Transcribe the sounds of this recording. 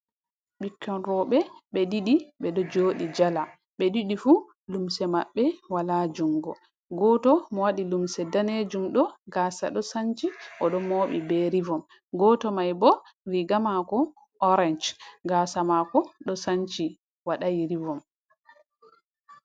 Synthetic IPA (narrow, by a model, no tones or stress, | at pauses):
ɓikːɔnɾɔɓɛɓɛdiɗiɓɛɗɔd͡ʒoːɗid͡ʒala | ɓɛɗiɗifu | lumsɛmaɓːɛwalad͡ʒuŋɡɔ | ɡɔtɔmɔwaɗilumsɛdaned͡ʒumɗɔɡaːsa̰ɗɔsaɲt͡ʃiʔɔɗɔmoɓḭbeɾivɔm | ɡɔtɔmajbɔɾiɡamakɔ | ʔɔɾɛnd͡ʒɡasamakɔɗɔsaɲt͡ʃi | waɗajiɾivɔm